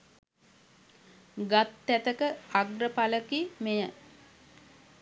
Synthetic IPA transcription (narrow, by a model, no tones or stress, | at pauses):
ɡat̪ːæt̪əkəaɡrəpaləkimejə